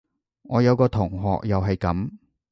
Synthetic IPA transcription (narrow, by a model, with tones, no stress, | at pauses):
ŋɔː˨˧jɐ˨˧wkɔː˧t̪ʰʊ˨˩ŋɦɔ̰ː˨k̚jɐ˨wɦɐ˨jkɐ˨˧˥m